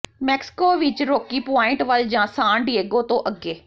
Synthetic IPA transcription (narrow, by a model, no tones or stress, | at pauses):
mɛːksɪ̥koːʋɪt͡ʃɾoːkiːpaːɪ̃ɳʈʋəld͡ʒãːsãːɳɖɪeːɡõːt̪õːʔəɡeː